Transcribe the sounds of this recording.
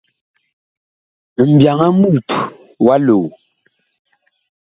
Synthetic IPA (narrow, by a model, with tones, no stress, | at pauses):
m̩˨bja˨ŋa˦m˦u˦˨tu˨ | wa˦lo˨